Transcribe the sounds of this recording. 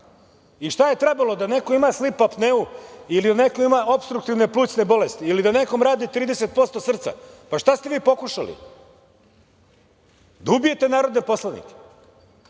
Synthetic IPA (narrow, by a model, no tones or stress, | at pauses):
iʃt̪aje̞t̪ɾebalo̞d̪ane̞ko̞imaslipapneuilid̪ane̞koimao̞pst̪ɾukt̪iʋne̞plˠuːt͡s̪ne̞bo̞lest̪iːlid̪aneko̞mɾaːd̪it̪ɾiːd̪eset̪̚po̞st̪o̞sr̩t̪sa̰paʃt̪ast̪eʋiːpo̞kuʃa̰lḭ | d̪aubije̞t̪e̞naːɾo̞d̪nepo̞slˠanḭke̥